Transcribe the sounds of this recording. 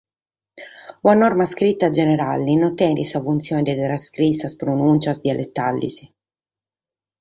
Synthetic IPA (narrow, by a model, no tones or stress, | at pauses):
wanɔrmaskɾit̪ːad͡ʒeneɾalinot̪ːɛnd̪isafunt̪sjoːnd̪et̪ɾaskɾisːaspɾonunt͡ʃasd̪jalʔet̪ːalːḭsi